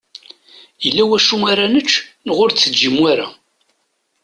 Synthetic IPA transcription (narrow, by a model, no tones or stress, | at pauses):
jəlːæwæʃuŋaɾænət͡ʃːnəʁʊɾt͡sːəd͡ʒːimwaɾæ